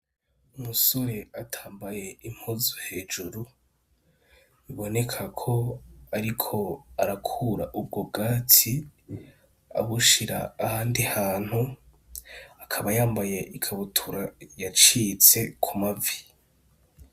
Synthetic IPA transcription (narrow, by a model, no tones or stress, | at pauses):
umuso̞ɾe̞atʰaːmbaje̞im̥huzohe̞ːd͡ʒuɾu | iβo̞ne̞kʰakʰo̞aɾikʰo̞aɾakʰuːɾaʔub̚ɡo̞b̚ɡaːtʰi | a̰βuʃiɾa̰ːhaːndihaːn̥hu | akʰaβajaːmbaje̞ʔikʰaβutʰuɾajat͡ʃit͡se̞kʰumavi̥